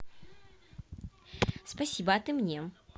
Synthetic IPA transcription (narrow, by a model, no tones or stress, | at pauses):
spɐsʲibɐɐt̪ɨmnʲe